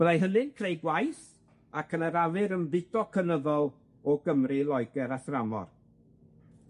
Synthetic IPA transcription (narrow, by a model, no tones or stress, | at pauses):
wəðajɦənɨnkʰrejɡwajθ | akʰənəɾavɨɾənvɪdɔkʰənəðɔlˠ | ɔɡəmrɨlˠɔjɡɛɾaθramɔ̰r